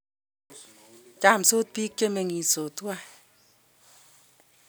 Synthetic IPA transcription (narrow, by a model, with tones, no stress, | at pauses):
t͡ʃa˦˨m̩˨so˦t̚pi˦k̚t͡ʃe˦me˧ŋi˨so˨tu˦a˦